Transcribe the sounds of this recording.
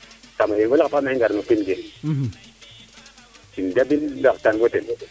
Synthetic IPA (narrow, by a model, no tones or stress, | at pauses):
tamaiŋɡolakpameŋɡaɾmupinɡe | tindabindk̚tanɡoten